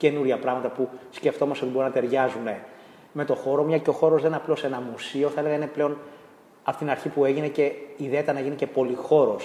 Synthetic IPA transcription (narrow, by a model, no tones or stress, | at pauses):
ce̞nuɾʝɐpɾɐɣmɐt̪ɐpusce̞ft̪o̞mɐsteo̞t̪ibo̞ɾunɐt̪eɾʝɐzune̞ | me̞t̪o̞xo̞ɾo̞mɲɐceo̞xo̞ɾo̞zðeneɐplo̞se̞nɐmusio̞θɐeleɣɐine̞ple̞o̞n | ɐpo̥t̪inɐɾçipue̞ʝine̞ce̞iðeet̪ɐnɐeʝinice̞po̞lixo̞ɾo̞s